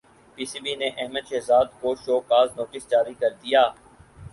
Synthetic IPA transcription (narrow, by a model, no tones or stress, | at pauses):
piːsiːbineʔɛɦməd̪ʃeɦzaːd̪koʃoːkaːznɔːtɪsd͡ʒaːɾikɐɾd̪ijaː